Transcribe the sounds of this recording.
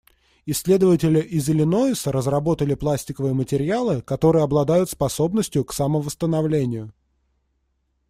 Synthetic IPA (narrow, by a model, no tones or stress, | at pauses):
ɪsʲːlʲe̞d̪əvətʲɪlʲɪʔɪzʲɪlʲɪno̞ɪsəɾəzrɐbo̞t̪əlʲɪplˠasʲtʲɪkəvɨjəmətʲɪɾʲɪalˠɨkɐt̪o̞ɾɨjəɐblˠɐd̪ajʊt̪spɐso̞bnəsʲtʲjʊksɐməvəst̪ənɐvlʲenʲɪjʊ